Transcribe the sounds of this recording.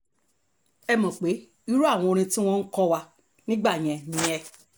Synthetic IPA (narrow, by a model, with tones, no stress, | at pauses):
ɛ˧mɔ̃˨k͡pe˨˦ | i˦ɾu˦a˦˨w̃ɔ̃˧o˧ɾ̃ĩ˧ti˦w̃ɔ̃˦n̩˦kɔ˦wa˧ | nĩ˦ɡ͡ba˦˨j̃ɛ̃˨nĩ˨˦ɛ˧